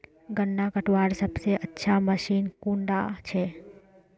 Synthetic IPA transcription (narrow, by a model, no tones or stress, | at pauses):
ɡəɳːakəʈʋaːɾsəbseʔətːʃʰaməʃiːnkũːɳɖa̰t͡ʃʰe